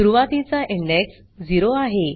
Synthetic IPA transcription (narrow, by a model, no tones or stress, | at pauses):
uɾuʋat̪it͡saʔiɳɖeks | d͡ziɾoaɦe